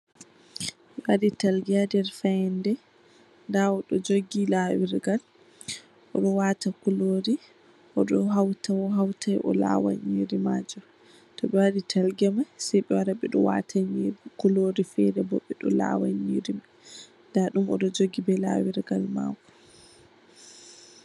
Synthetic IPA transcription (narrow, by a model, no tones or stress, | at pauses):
ɓɛwaditalɡiadɛɾfaɛndɛ | ndaɔɗɔd͡ʒoɡilawiɾɡal | ʔɔɗɔwatakuloɾi | ʔɔɗɔɦawtawɔɦawtajʔɔ̰la̰wa̰ɲiɾimad͡ʒɔ | tɔɓɛwaɾitʰalɡɛmajsɛjɓɛwaɾaɓɛɗɔwa̰tʰaɲiɾkuloɾifɛɾɛbɔɓːɛɗɔla̰waɲiɾim | ndaɗumɔ̰ɗɔd͡ʒoɡibɛla̰wiɾɡalma̰wu